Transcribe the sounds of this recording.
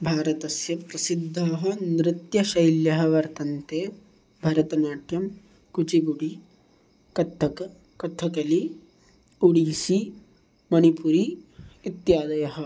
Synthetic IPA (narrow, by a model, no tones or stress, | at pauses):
bʱaːɾɐt̪ɐsjɐpɾɐsid̪ʱːaːɦɐ̆nɾɪt̪jɐʃɐjljɐɦɐ̆ʋɐɾt̪ɐnt̪eː | bʱɐɾɐt̪ɐnaːʈjɐm | kut͡ʃiɡuɽi | kɐt̪ʰːɐkɐ | kɐt̪ʰːɐkɐli | uɽisi | mɐnipuɾiːt̪jaːd̪ɐjɐɦɐ̆